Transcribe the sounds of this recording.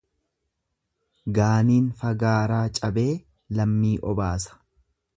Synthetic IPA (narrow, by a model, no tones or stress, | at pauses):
ɡaːniːnfɐɡaːɾaːt͡ʃʼɐbe̞ː | lɐmːiːʔɔbaːsɐ̥